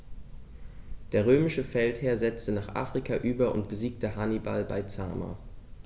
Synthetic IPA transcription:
d̥eːɐʁ̞øːmɪʃəfɛltheːɐzɛt͡stənaːχʔa̰ːfʁ̥ikʰaʔyːbɐʔʊ̰ntb̥əziːk̚təɦanibalba̰ɪt͡sa̰ːma̰

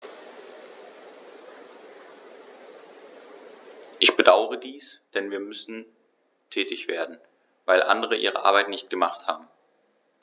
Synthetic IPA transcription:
ʔɪçb̥ədaʊəʁədiːsd̥ɛnviːɐmʏsn̩ | tʰɛːtɪçv̥eːɐdn̩ | vaɪlʔa̰ndəʁ̞əʔḭːʁ̞ə̰ʔa̰ɐbaɪtnɪçt̚ɡ̥əmaχtha̰ːbm̩

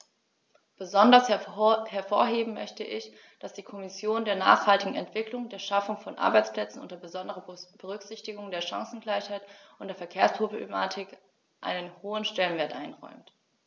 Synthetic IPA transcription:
b̥əzɔndɐshɛɐfoːɐɦeːbm̩mœ̰çtəʔɪç | d̥asd̥iːkʰɔmɪsjoːndeːɐna̰ːχhaltɪɡŋ̩ɛ̰ntv̥ɪklʊŋdeːɐʃafʊŋfɔnʔa̰ɐbaɪt͡spl̥ɛt͡sn̩ʊ̰ntɐbəzɔndəʁəb̥əʁ̞ʏkz̥ɪçtɪɡʊŋdeːɐʃa̰ŋsn̩ɡlaɪçhaɪtʔʊntd̥eːɐfɛɐkʰeːɐspʁ̥obemaːtʰɪk | ʔa̰ɪnənhoːənʃtɛlənveːɐtʔaɪnʁɔ̰ʏmt

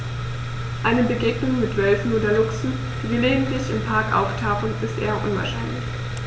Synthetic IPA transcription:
ʔaɪnəbəɡeːɡnʊŋmɪtv̥œlfn̩oːdɐlʊksn̩ | d̥iːviːɐleːɡn̩tlɪçɪmpʰaɐkʔa̰ʊftʰaʊχən̩ɪstʔeːɐʔʊnva̰ɐʃaɪnlɪç

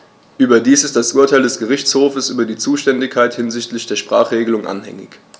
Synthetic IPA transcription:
ʔyːbɐdiːsɪstd̥asʔuːɐtʰaɪldɛsɡ̥əʁ̞ɪçt͡shoːfəsʔyːbɐdiːt͡suːʃtɛndɪkʰaɪthɪnzɪçtlɪçd̥eːɐʃpʁ̥a̰ːχʁ̥eːɡəlʊŋʔa̰nhɛ̰ŋɪ̰ç

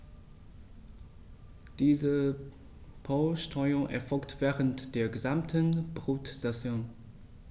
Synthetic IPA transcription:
d̥iːzə | pʰaʊʃtʁɔʏʊŋʔɛ̰ɐfɔlktv̥ɛːʁəntd̥eːɐɡəzamtʰənbʁuːtz̥asjoːn

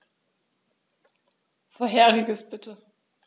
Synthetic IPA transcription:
foːɐɦeːʁɪɡəsb̥ɪtʰə

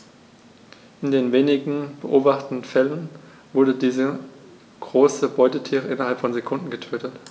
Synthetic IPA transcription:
ʔɪndeːnveːnɪɡŋ̩b̥əʔoːbaχtn̩fɛlən | vʊɐdədiːzə | ɡ̥ʁoːsəbɔʏtətʰiːʁəʔɪnɐhalpfɔnzekʰʊndn̩ɡətʰøːtət

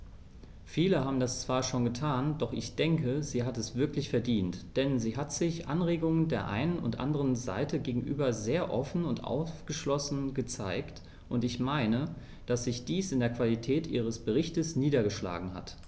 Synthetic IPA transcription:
fiːləɦaːbm̩dast͡sv̥aːɐʃoːnɡətʰaːnd̥ɔχɪçd̥ɛŋkəziːɦatɛsv̥ɪɐklɪçfɛɐdiːntd̥ɛnziːɦatz̥ɪçʔanʁeːɡʊŋəndeːɐʔa̰ɪnənʊ̰ntʔa̰ndəʁ̞ənza̰ɪtʰəɡeːɡŋ̩ʔy̰ːbɐzeːɐʔɔfn̩ʊntʔa̰ʊfɡ̥əʃlɔsn̩ɡət͡saɪkt | ʔʊntɪçmaɪnə | d̥asz̥ɪçd̥iːsɪndeːɐkv̥alitʰɛːtʔiːʁ̞əsb̥əʁ̞ɪçtəsniːdɐɡəʃla̰ːɡŋ̩ha̰t

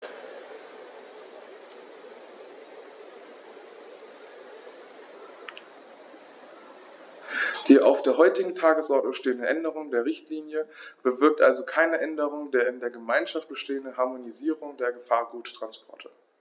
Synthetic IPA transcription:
d̥iːʔa̰ʊfd̥eːɐɦɔʏtɪɡŋ̩tʰaːɡəsʔɔɐtʃteːəndəʔɛndəʁ̞ʊŋdeːɐʁ̞ɪçtʰliːnjəb̥əvɪɐk̚tʔalzokʰaɪnəʔɛndəʁ̞ʊŋdeːɐɪndeːɐɡəmaɪnʃaft̚b̥əʃteːəndəɦaɐmoniziːʁʊŋdeːɐɡəfaːɐɡuːttʁ̥anspʰɔɐtʰə

